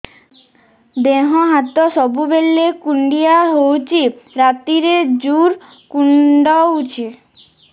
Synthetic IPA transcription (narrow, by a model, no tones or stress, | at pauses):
d̪eɦɔɦat̪ɔsɔbubelːekuɳɖiaɦowt͡ʃʰiɾat̪iɾed͡ʒuɾ | kuɳɖɔut͡ʃʰi